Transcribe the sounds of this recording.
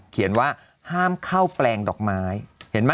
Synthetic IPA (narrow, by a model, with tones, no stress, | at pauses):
kʰi˨˩˦ənwaː˥˩ | haː˥˩mkʰa˥˩wplɛː˧ŋdɔː˨˩k̚maː˦˥jhe˩˦nma˥